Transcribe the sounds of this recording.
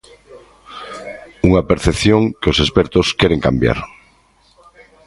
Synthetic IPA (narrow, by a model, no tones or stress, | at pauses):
uŋapeɾθepθjõŋkeosespeɾt̪oskeɾeŋkambja̰ɾ